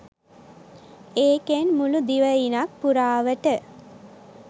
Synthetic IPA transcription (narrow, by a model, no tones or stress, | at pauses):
eːkenmulud̪iʋəinak̚puɾaːʋəʈə